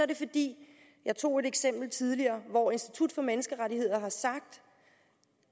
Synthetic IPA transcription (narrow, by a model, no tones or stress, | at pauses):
ɐɾe̝fɒ̽d̥ḭː | jɑ̈ɪt͡sʰo̝̰ːe̝ɾeɡ̥sem̰b̥l̩t͡sʰið̞ˠliɐːʋɒe̝nsd̥it͡sʰud̥fɒ̽menəsɡ̥əʁaɾihe̝ð̞̰ˠɐɦɑ̈sɑ̈ɡ̥̚d̥